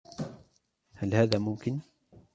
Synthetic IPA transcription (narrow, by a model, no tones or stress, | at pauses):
halhaːðaːmʊmkɪn